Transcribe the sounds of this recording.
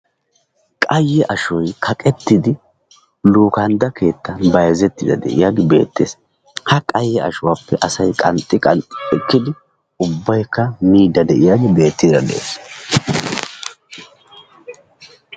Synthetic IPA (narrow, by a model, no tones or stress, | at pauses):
kʼɐjːɛʔɐʃɔjkʰɐkʼɛt̪ːɪd̪ɪ | luːkɐnd̪ɐkʰe̞ːt̪ːɐbɐjzɛt̪ːɪd̪ɐ̰d̪ɛ̰ʔɪ̰jaːɡɪbe̞̰ːt̪ːḛːs | hɐkʼɐjːɛʔɐ̰ʃʊwapːɛʔɐsɐjkʼɐnt̪ʼːɪkʼɐnt̪ʼɪ̥ɛkːɪd̪ɪ | ʊbːɐjkːɐmiːd̪ːɐd̪ɛʔɪjaːɡɪbe̞ːt̪ːid̪ɐd̪ɛ̰ʔḛːs